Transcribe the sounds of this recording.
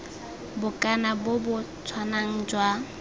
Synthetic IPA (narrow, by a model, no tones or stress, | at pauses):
bʊkʼanabʊbʊt͡sʰwanaŋ̩d͡ʒwa